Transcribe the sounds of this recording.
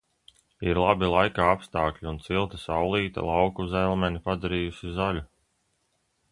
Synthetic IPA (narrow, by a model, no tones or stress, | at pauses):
iɾlˠabilˠajkaːapst̪aːklʲiunt̪silˠt̪asawlˠiːt̪a̰lˠawkuzɛlˠmʲɛnipad̪aɾiːjusizalʲu